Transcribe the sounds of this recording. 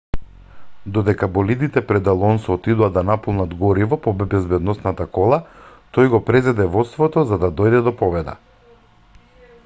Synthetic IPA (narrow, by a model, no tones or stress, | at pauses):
d̪ɔd̪ɛkabɔlid̪it̪ɛpɾɛd̪alˠɔnsɔt̪id̪uad̪anapɔlˠnad̪ɡɔɾivɔpɔbɛbɛzbɛd̪nɔsnat̪akɔlˠa | t̪ɔjɡɔpɾɛzɛd̪ɛvɔt̪st̪vɔt̪ɔzad̪ad̪ɔjd̪ɛd̪ɔpɔvɛd̪a̰